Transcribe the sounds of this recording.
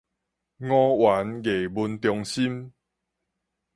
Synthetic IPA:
ŋɔ̃˦wa˨˦nɡe˨˩bu˧nt̪jɔ˧ŋɕi˦m

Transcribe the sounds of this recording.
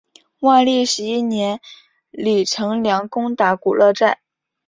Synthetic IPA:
wa˥˧ɪli˥˩ʂɻ̩˧˥i˥njɛ˧˥n | li˨˩ʈ͡ʂʰɤ˧˥ŋljɑ˧˥ŋkʊ˥ŋt̪a˧˥ku˨˩lʔɤ˥˧ʈ͡ʂa˥˩ɪ

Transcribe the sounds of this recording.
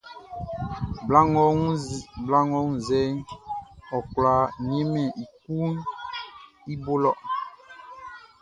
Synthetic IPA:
ba˦ŋɔ˦bla˦ŋɔ˦ŋ̩˨zɛ˦ŋ | ɔ˨kla˨ɲɛ˦mɛ˨ʔi˨k̚u˦n | i˦bo˦lɔ˦˨ʔ

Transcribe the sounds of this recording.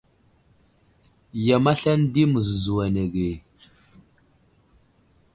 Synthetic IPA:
ja˨ma˦ɬa˦ndi˦mu˨zu˨zu˨wa˨ne˨ɡe˨

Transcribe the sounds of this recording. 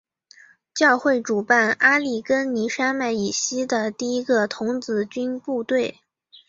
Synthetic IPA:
t͡ɕjɑ˥˧ʊxwe˥˩ɪʈ͡ʂu˨˩pa˥˩na˥li˥˩kə˥nni˧˥ʂa˥ma˥˩ɪi˨˩ɕi˥d̪ə˨t̪i˥˩i˥ɡə˧t̪ʰʊ˧˥ŋt͡sɹ̩˧˥t͡ɕy˥npu˥˧t̪we˥˩ɪ

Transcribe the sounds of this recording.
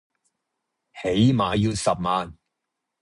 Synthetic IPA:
he˨˥jmaː˨˧jiː˧wsɐ˨p̚maː˨n

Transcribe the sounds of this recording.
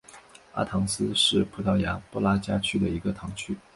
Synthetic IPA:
a̰˥t̪ʰɑ˧˥ŋsɹ̩˥ʂɻ̩˥˩pʰu˧˥t̪ʰɑ˥˩ʊja˧˥pɔ˥la˥t͡ɕja˥t͡ɕʰy˥d̪ə˨i˧˥ɡə˧t̪ʰɑ˧˥ŋt͡ɕʰy˥

